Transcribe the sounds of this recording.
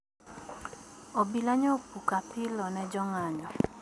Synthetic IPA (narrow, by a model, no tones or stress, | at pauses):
ɔbilaɲɔpukapɪlɔnɛd͡ʒɔŋaɲɔ